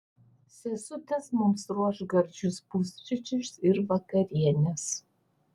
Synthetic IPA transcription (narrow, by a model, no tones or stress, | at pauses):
sɛsʊtʰɐsmʊmsruɔʂɡɐrd͡ʒʊsbust͡ʃʼɪt͡ʃʰʼɪʃsɪrvɐkɐɾʲiɛnʲɛs